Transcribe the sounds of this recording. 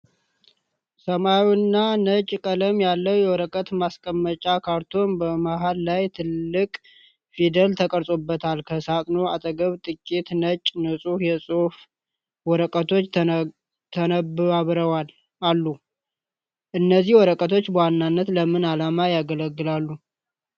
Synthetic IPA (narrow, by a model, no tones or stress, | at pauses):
səmawinːanət͡ʃʼːkʼələmjalːəwjɛwɔɾəkʼət̪maskʼəmːət͡ʃʼakʰaɾt̪ʰo̞nbəmaɦallajt̪ʰɨlːɨkʼ | fid̪əlt̪ʰəkʼəɾsʼobːət̪ʰalkʰəsat̪ʼno̞at̪ʼəɡəβt̪ʼɨkʼːit̪nət͡ʃʼːnəsʼufjɛsʼof | wɔɾəkʼət̪ʰo̞t͡ʃː | t̪ʰənəbaβɾəwal | alːu | ʔɨnːəzihwɔɾəkʼət̪ʰot͡ʃːbəwanːanːət̪ləmɨnalamajaɡələɡːɨlalːu